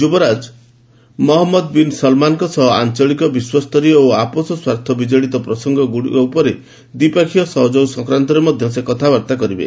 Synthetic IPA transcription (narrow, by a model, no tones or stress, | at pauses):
d͡ʒubɔɾad͡ʒ | mɔɦɔmːɔd̪̚binsɔlmanɔkɔsɔɦɔant͡ʃɔɭikɔbiswast̪ɔɾiɔoapɔsɔswaɾt̪ʰɔbid͡ʒɔɭit̪ɔpɾɔsɔŋɡɔɡuɽḭkɔupɔɾe | d̪ipakʰijɔsɔɦɔd͡ʒowsɔ̃ŋkɾant̪ɔɾemɔd̪ʱjɔsekɔt̪ʰabɔɾt̪akɔɾibḛ